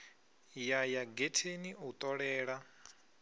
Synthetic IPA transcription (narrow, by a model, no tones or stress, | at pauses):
jajaɡetʰeniut̪ʼɔɺɛːɺa